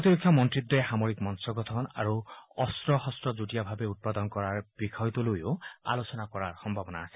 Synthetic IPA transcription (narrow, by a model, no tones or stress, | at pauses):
pɔt̪iɾɔkʰːjɔmɔntɹid̪ːɔxamoɹikmɔnsɔɡɔt̪ʰɔna̰ɹuɔstɹɔhɔstɹɔzutijabʱabeut̪̚pad̪ɔnkɔɹaɹb̥ikʰɔjt̪ɔlojoa̰losɔnakɔɹaɹxɔmbʱabɔna̰ːsɛ̥